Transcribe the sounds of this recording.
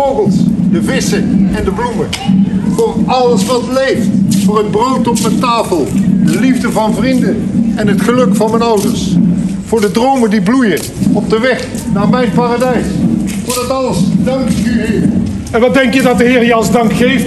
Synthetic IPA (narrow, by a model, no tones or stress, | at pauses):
obəlˠsdəvɪsəɛndəblumə | vʊːrɑləsʋɑtlejftfʊːrənbrowtɔpmɛntaːfəlˠdəlivdəvɑnvrindənɛnɦətχəlɵkfɑnmɛnʌwdəɹs | v̥ʊːɹdədrowməndiblujən | ɔb̚dəʋɛχ | naːɹmɛjnpaːradɛjsfʊːɹdɑtɑləsdɑŋkyɦɪːɛnʋɑt̚dɛŋkjədɑt̚dəɦɪːɹjəɑlˠəzdɑŋkχejft